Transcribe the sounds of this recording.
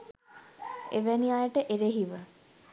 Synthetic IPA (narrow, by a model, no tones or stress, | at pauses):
eʋæniajəʈəʔeɾeɦiʋə